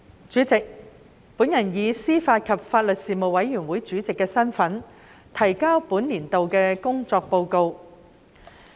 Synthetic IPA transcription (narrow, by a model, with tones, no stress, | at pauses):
t͡ʃyː˨˥t͡sɪ˨k̚ | puː˨˥njɐ˨˩njiː˨˧siː˥faː˧t̚kʰɐ˨p̚faː˧t̚lɵ˨t̚siː˨mo˨wɐ˨˥jːyː˨˩nwuː˨˥jt͡ʃyː˨˥t͡sɪ˨kːɛː˧sɐ˥nfɐ˨˥n | t̪ʰɐ˨˩jkaː˥wpuː˨˥nliː˨˩nt̪o˨wkɛː˧kʊ˥ŋt͡sɔː˧k̚po˧wko˧w